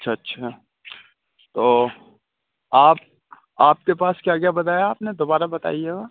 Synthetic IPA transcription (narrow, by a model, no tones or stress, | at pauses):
ɐtːʃʰaɐtːʃʰa | t̪oː | aːp̚ | aːp̚kepaːskjakjabɐt̪aːjaːpned̪oːbaːɾabɐt̪a̰ːieɡa